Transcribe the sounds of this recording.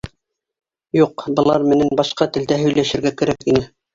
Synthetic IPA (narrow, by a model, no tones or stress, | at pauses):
juqbɤ̆lˠɑɾmɘ̆nænbɑʃqɑt̪ɘ̆ld̪æɦɵ̆jlæʃɘ̆ɾɡækɘ̆ɾækinɘ